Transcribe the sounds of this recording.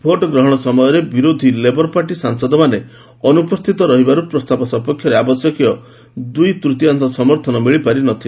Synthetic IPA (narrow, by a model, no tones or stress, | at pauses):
pʰoʈɔɡɾɔɦɔɽ̃ɔsɔmɔjɔɾebiɾod̪ʱilebɔɾpaʈisaŋsɔd̪ɔmane | ɔnupɔst̪ʰit̪ɔɾɔɦibaɾupɾɔst̪ʰapɔsɔpɔkʰːjɔɾeabɔsjɔkijɔ | d̪ujt̪ɾut̪iant̪ɔsɔmɔɾt̪ʰɔnɔmiɭipaɾinɔt̪ʰi